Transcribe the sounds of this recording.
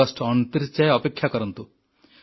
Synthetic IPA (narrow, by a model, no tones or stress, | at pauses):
ɔsʈɔnt̪iɾt͡ʃaeɔpekʰːjakɔɾɔnt̪u